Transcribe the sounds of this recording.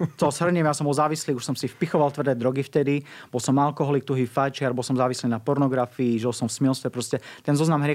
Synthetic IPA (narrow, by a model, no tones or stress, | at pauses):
t̪ɔzɦr̩ɲɛmjasɔmbɔlzaːʋisliːuʃsɔmsifpixɔʋalt̪ʋrd̪ɛːd̪ɾɔɡift̪ɛd̪ib̥ɔlsɔmalkɔɦɔlik̚t̪uɦiːfajt͡ʃɪaɾbɔlˠsɔmzaːʋisliːnapɔɾnɔɡɾafiiʒɛlsɔmfsmiɛlst̪ʋɛpɾɔscɛt̪ɛnzɔznamɦɾɪɛ